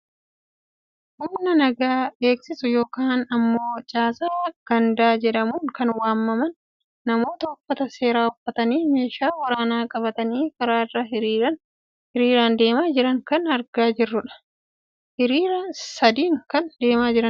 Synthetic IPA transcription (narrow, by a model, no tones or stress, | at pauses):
hʊmnɐnɐɡaːeːksɪsʊjo̞ːkaːnɐmːo̞ːt͡ʃʼaːsaːɐɡ̥ɐnd̪aːd͡ʒɛᶑɐmuːŋkɐnwaːmːɐmɐnː | ɐmo̞ːt̪ɐʊfːɐt̪ɐse̞ːɾaːhʊfːɐt̪ɐniːme̞ːʃaːwɐɾaːnaːkʼɐβɐt̪ɐniːkɐɾaːɪrːaɪɾɐ | ɪɾiːɾaːnd̪e̞ːmaːd͡ʒɪɾɐŋkɐnɐɾɡaːd͡ʒɪrːʊᶑɐ̥ | hɪɾiːɾɐnsɐd̪iːŋkɐnd̪e̞ːmaːd͡ʒɪɾɐn